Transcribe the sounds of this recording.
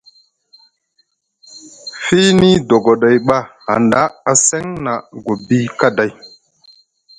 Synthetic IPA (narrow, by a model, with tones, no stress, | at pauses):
fi˦ni˦do˨ɡo˨ɗa˨jɓa˦ha̰˨nda˦a˨se˦ŋna˨ɡo˨bi˦ka˦da˦j